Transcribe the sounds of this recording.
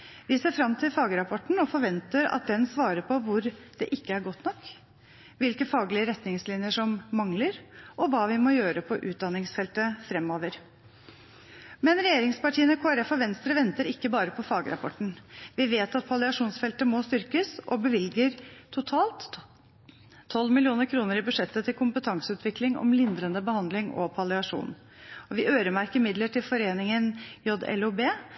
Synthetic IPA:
ʋɪseːɾfɾɑmt̪ʰɪlfɑːɡəɾɑpʰɔʈɳ̩ɔfɔɾʋɛnt̪əɾɑ̰t̪̚d̪ɛnsʋɑːɾəɾpʰɔʋʊɾd̪̥ɛʔɪkːəæɾɡɔt̪ːnɔkː | ʋɪlkəfɑːɡlɪəɾɛt̪nɪŋslɪnjəʂɔmːɑŋləɾʔɔʋɑːʋɪmɔjøːɾəpʰɔʔʉːt̪̚d̪ɑnɪŋsfɛlt̪əfɾɛmːoːʋəɾ | mɛnɾɛjeːɾɪŋspɑʈʰiːənəkʰoːæɾɛfɔʋɛnst̪ɾəʋɛnt̪əɾɪkːəbɑːɾəpʰɔfɑːɡəɾɑ̰pʰɔ̰ʈɳ̩ʋɪʋeːt̪ɑt̪̚pʰɑlɪɑʂuːnsfɛlt̪əmɔst̪ʏɾkəsɔ̰bəʋɪlɡəɾt̪ʰʊt̪ʰɑːlt̪ | ɔlmɪlɪuːnəɾkʰɾuːnəɾɪbʉʂɛt̪ːət̪ʰɪlkʰʊmpət̪ʰɑŋsʉːt̪ʰʋɪklɪŋɔ̰mlɪnd̪ɾənd̪əbəhɑnd̪lɪŋɔ̰pʰɑlɪɑʂṵːn | ɔʋɪʔøːɾəmæɾkəɾmɪd̪ləʈʰɪlfɔɾeːnɪŋənjɔd̪ɛ̰lʊbeː

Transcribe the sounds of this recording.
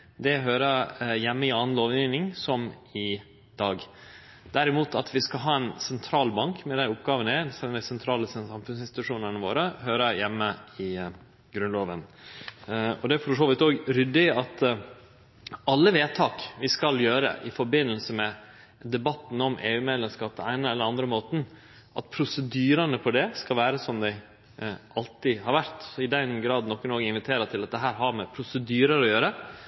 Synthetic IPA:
d̪ɛɦøːɾəjɛmːəɪɑːn̩loːʋiːnɪŋsɔmɪ | d̪̥ɑːɡ | d̪̥æɾɪmuːt̪ʰɑt̪ʰʋɪskɑlɦɑːɛnsɛnt̪ʰɾɑːlbɑŋkmɛd̪æɪʊpɡɑːʋənəæsɛnəd̪ɪsɛnt̪ʰɾɑːləsɛnsɑmfʉns̬ɪnsɪ̥t̪ʉʂuːnənəʋo̰ːɾəɦøːɾəjɛmːəɪ | ɡɾʉnloːʋən | ɔd̪ɛæɾfɔʂoːʋɪt̪oːɡɾʏd̪ːɪɑt̪ | ɑlːəʋeːt̪ʰɑːkʋɪskɑljøːɾə̰ʔɪfɔɾbɪnːəlsəmɛ | d̪ɛbɑt̪ːn̩ɔmʔeːʉːmeːd̪ləmskɑːp̚d̪ɛæɪnəɛlːəɾɑnd̪ɾəmoːt̪n̩ | ʔɑ̰t̪̚pʰɾʊsəd̪yːɾənəpʰɔd̪ɛskɑlʋæːɾəsɔmd̪ɛɪ | ɑlt̪ɪhɑɾʋæɾt̪sɔɪd̪ɛnɡɾɑːd̪nɔkːnoːɡɪnʋɪt̪ʰeːɾət̪ʰɪlɑt̪̚d̪ɛɦæːɾɦɑɾmɛpʰɾʊsəd̪yːɾəɾɔjøːɾə

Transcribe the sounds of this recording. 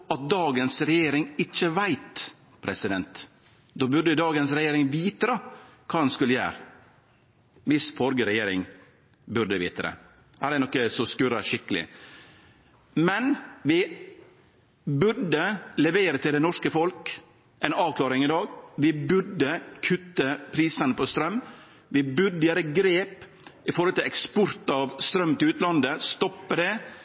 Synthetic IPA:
ɑt̪̚d̪ɑːɡənsɾɛjeːɾɪŋɪt͡ʃːəʋæɪt̪ | pʰɾɛsɪd̪ɛnt̪ | d̪oːbʉɖəd̪ɑːɡənsɾɛjeːɾɪŋʋiːt̪əɾəkʰɑːd̪ɛnskʉləjæ̰ːɾ | ʋɪsfɔɾɡəɾɛjeːɾɪ̰ŋ | bʉɖəʋḭːt̪əɾə̰ | hæːɾɛnɔkːəsɔskʉɾəʃɪkːəlɪ̰ | mɛnʋɪ | bʉɾɖəlɛʋeːɾət̪ʰɪld̪ɛnɔʂkəfɔlk | ʔɛɪnɑːʋkʰlɑːɾɪŋɪd̪ɑːɡʋɪbʉɖəkʰʉt̪ːəpʰɾiːsənəpʰɔst̪ɾœmː | ʋɪbʉɾɖ̪əjæːɾəɡɾeːp | ɪfɔɾhɔlt̪ɪlɛkspɔɾt̪ɑʋst̪ɾœmːt̪ʰɪʉːt̪lɑnd̪əst̪ɔpːəɖɛ

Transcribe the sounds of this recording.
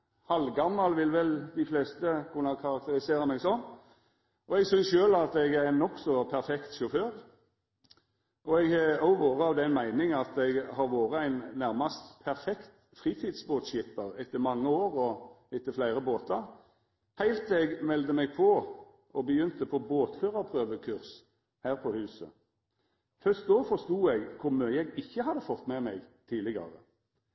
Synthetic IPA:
hɑlɡɑmːɑlʋɪlʋɛld̪ɪflɛːst̪əkʰʉnːəkʰɑɾɑkt̪əɾɪseːɾʁəmɛɡsɔnː | ʔɔɛɡsʏnsʃøːlɑt̪ɛɡæɾnɔksɔpʰæɾfɛkt̪ʃʊføːd̪ | ʔɔɛɡɑʊʋoːʁəɑʋd̪ɛnmæɪnɪŋɑt̪ɛɡhɑɾʋoːɾəæɪnːæɾmɑst̪pʰæɾfɛkt̪ | fʁiːt̪ʰiːd̪sboːt̪ʃɪpəʁɛt̪ːəmɑŋːəoːʁɔɪt̪ːəflæɪʁəboːt̪ɑʁ | hæɪlt̪ɛɡmɛld̪əmɛɡpʰɔ | ɔbəjʏnt̪əpʰɔboːt̪føːʁɑpʰʁøːʋəkʰʉʁs | hæːʁpʰɔhʉːsə̰ | fœst̪̚d̪oːfɔʁst̪uːɛɡkʰʊʁmœːʏəɛɡɪçːəhɑd̪əfɔt̪ːmɛmɛɡt̪ʰiːlɪɡɑ̰ʁə̰

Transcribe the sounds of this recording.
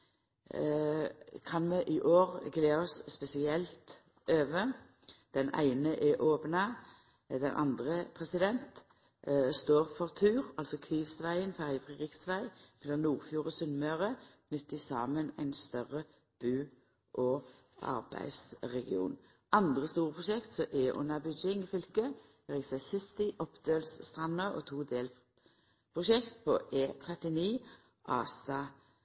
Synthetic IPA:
kʰɑnmɛʔɪʔoːʁɡleːɔsspɛsɪɛlt̪ | øːʋə | d̪̥ɛnæ̰ɪnəʔɛʔoːpnɑ | d̪ɛnʔɑ̰nd̪ʁəpʰʁɛsɪd̪ɛnt̪ | st̪oːʁfɔʁt̪ʰʉːʁɑlsɔkʰʋiːʋsʋæɪənfæʁjəfʁɛd̪ʁɪksʋæɪmɛlɑnnuːʁfjuːʁəsʉnmøːʁəkʰnʏt̪ːɪsɑːmənæ̰ɪnst̪œʁə | b̥ʉː | ʔɔ | ɑ̰ʁbæ̰ɪsʁɛɡɪṵːn | ʔɑnd̪ʁəst̪uːʁəpʰʁʊʃɛkt̪sɔʔeːʔʊ̰nɑbʏd͡ʒɪŋɪfʏlkə | ɛʁɪsɛsɪt̪ɪʔɔpd̪øːlsst̪ʁɑnəʁɔ̰t̪ʰuːd̪eːl | pʰʁʊʃɛkt̪̚pʰɔ̰ʔeːt̪ʰʁɛt̪ɪniː | ʔɑːsɑ

